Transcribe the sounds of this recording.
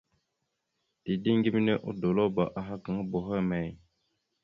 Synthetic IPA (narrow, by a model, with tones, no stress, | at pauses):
di˨di˦ŋɡi˦mi˦ne˦ʔṵ˦do˨lo˦ba˨ʔa˨ɦa˦ka˨ŋə˦bo˨ɦə˦˨me˨j